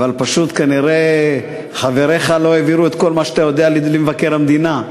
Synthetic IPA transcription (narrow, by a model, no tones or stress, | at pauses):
valpaʃut̪kaniʁe̞ | χave̞ʁe̞χalo̞eviɾuet̪ko̞lmaʃat̪ajo̞d̪ealimvake̞ʁamd̪ina